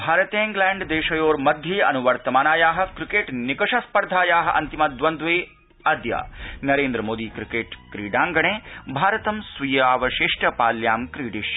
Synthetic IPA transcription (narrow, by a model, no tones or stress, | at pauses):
bʱaːɾɐt̪eːŋɡlɛːɳɖd̪eːʃɐjoːɾmɐd̪ʱjɐɐ̰nuʋɐɾt̪ɐmaːnaːjaːɦɐ̆kɾikeːʈnikɐʂɐspɐɾd̪ʱaːjaːɦɐʔɐ̰nt̪imɐd̪ʋɐnd̪ʋeː | ɐd̪ja̰ːnɐɾeːnd̪ɾɐmoːd̪iːkɾikeːʈkɾiːɖaːŋɡɐɳeːbʱaːɾɐt̪ɐmsʋijaːʋɐʃiʂʈɐpaːljaːmkɾiːɖiʃ